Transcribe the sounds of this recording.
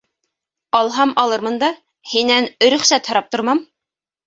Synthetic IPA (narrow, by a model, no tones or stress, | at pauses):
ɑlˠɦɑmɑlˠɤɾmɤnd̪ɑ | hinænɵ̆ɾɵ̆χsæt̪hɤ̆ɾɑp̚t̪ŏɾmɑm